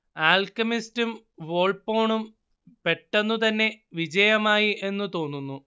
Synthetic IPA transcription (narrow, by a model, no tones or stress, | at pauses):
aːlkɐmistum | ʋo̞ːɭpo̞ːɳum | pe̞ʈːenːut̪ɐnːe̞ | ʋid͡ʑɐjɐmaːjiʔe̞nːut̪o̞ːnːunːu